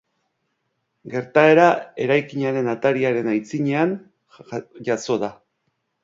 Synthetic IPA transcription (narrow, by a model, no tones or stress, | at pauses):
ɡe̞ɾt̪ae̞ɾae̞ɾajkiɲaɾe̞nat̪aɾiaɾe̞najt͡siɲe̞an | ʝaso̞ða